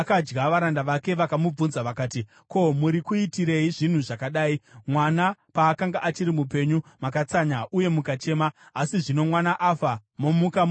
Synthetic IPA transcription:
kad͡ʒɡaʋaɾandaʋake̞ʋakamub͡vunzaʋakaːti | ko̞muɾikuitiɾeiʐin̤uʐakaɗaːimwanapaːkaŋɡaʔat͡ʃiɾimup̬e̞ɲumakat͡saɲaʔuje̞mukat͡ʃe̞ːmaːsiʐino̞mwanaʔafamo̞mukam

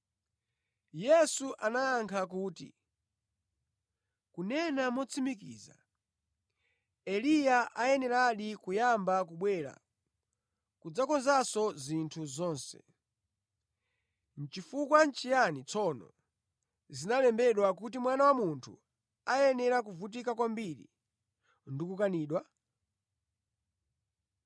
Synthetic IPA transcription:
jɛsuʔanaːŋkʰak̬uːtḭ | kunɛnamɔt͡sʰimikḭːza̰ | ɛlijaʔajɛnɛɾaɗikujambak̬uɓwɛːɾa̰ | kud͡zakɔnzasɔzintʰuzɔːnsɛ̰ | n̩t͡ʃifukwant͡ʃijanit͡sʰɔnɔ̰ | zinalɛmbɛɗwak̬ut̬imwanawamuntʰu | ajɛnɛɾak̬uvut̬ikakwambiɾḭ | ndikukaniːɗwa

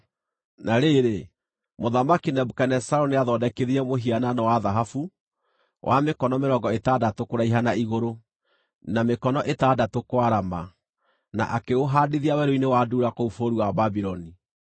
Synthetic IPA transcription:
naɾeɾe | moðamakinɛbukɛnɛsaɾɔneaðɔdɛkeðiɾɛmoɦiananawaðaɦafu | wʔamekɔnɔmeɾɔŋɡɔetadatokoɾaiɦanaiɣoɾo | namekɔnɔʔetaːdatokwaɾama | na̰ʔakeoɦaːdeðiawɛɾoinewaduːɾakoufoɾuwababiɾɔni

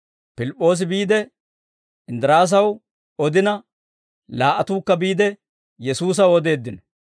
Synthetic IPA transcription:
pɪlɪpʼːo̞ːs̬ɪbiːd̪ɛ | ɪnd̪ɪɾaːs̬ɐw | ɔd̪ɪnɐ | laːʔɐt̪uːkːɐbiːd̪ɛ | jɛsuːs̬ɐwɔd̪e̞ːd̪ːɪnɐ

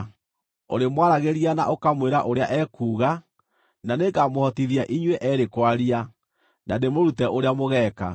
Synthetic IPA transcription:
o̰ɾemwaɾaɣeɾiana̰ʔokamweɾaʔoɾea̰ʔɛːkuːɣa | naneɡamohɔtiðiaʔiɲwɛʔɛɾekwaɾia | nademoɾutɛʔoɾeamoɣɛːka̰

